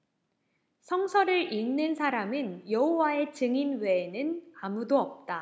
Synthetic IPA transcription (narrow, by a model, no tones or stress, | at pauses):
sʰʌŋsʰʌɾɯɾinːɯnsʰaɾamɯnjʌɦowae̞t͡ɕɯŋinwe̞ːnɯnamudoʌp̚t͈a